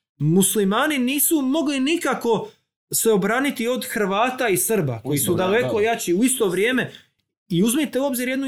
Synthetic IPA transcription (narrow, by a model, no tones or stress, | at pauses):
muslimaːniniːsumo̞ɡlinikako̞ | se̞o̞bɾaːnit̪io̞d̪xɾ̩ʋaːt̪aisr̩ba̰ko̞jisud̪ale̞ko̞jat͡ɕiuist̪o̞ʋɾjeːme̞ | iuzmit̪e̞uo̞bziɾjed̪nu